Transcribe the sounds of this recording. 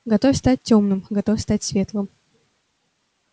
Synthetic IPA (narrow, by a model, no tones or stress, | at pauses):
ɡɐt̪ofʲst̪at̚ʲtʲːomnɨmɡɐt̪ofʲst̪atʲsvʲe̞t̪lˠɨm